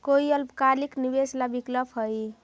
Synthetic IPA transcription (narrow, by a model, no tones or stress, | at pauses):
koiəlbkaliknibeslabikləpɦəj